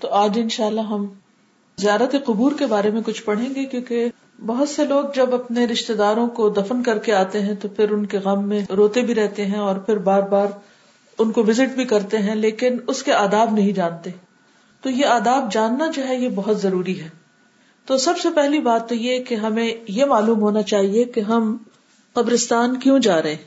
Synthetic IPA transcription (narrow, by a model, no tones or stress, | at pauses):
t̪oːaːd͡ʒɪnʃaːlːaɦɐm | zijaːɾət̪eqʊbuːɾkebaːɾemẽkʊt͡ʃʰpɐɽ̤ẽːŋɡekjõːke | bɐɦʊt̪seloːɡ̚d͡ʒɐbɐpneɾɪʃt̪ed̪aːɾõkod̪ɐfənkɐɾkeaːt̪eɦɛ̃t̪opʰɪɾʊnkeɣɐmːẽɾoːt̪ebʱiɾɛɦt̪eɦɛ̃ɔːɾpʰɪɾbaːɾbaːɾ | ʊnkoʋɪzɪʈbʱikɐɾt̪eɦɛ̃leːkɪnʊskeaːd̪aːbnɐɦĩd͡ʒaːnt̪e | t̪oːjeaːd̪aːb̚d͡ʒaːnːad͡ʒoɦɛjebɐɦʊt̪zɐɾuːɾiɦɛː | t̪oːsɐbsepɛɦlibaːt̪ːojekeɦɐmẽjemaːluːmɦoːnat͡ʃaːɦiekeɦɐm | qɐbɾɪst̪aːnkjũd͡ʒaːɾɐɦẽɦ